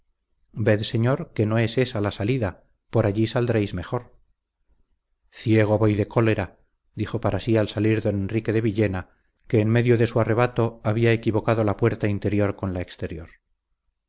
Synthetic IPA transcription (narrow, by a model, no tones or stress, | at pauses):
be̞ðse̞ɲo̞ɾke̞no̞e̞se̞salasaliða | po̞ɾaʎisald̪ɾejzme̞xo̞ɾ | θje̞ɣ̞o̞βo̞jðe̞kʰo̞le̞ɾa | d̪ixo̞paɾasialsaliɾðo̞ne̞nrike̞ðe̞βiʎe̞na | ke̞ːnme̞ðjo̞ðe̞suare̞βat̪o̞aβiaekiβo̞kaðo̞lapwe̞ɾt̪aint̪e̞ɾjo̞ɾko̞nlaekst̪e̞ɾjo̞ɾ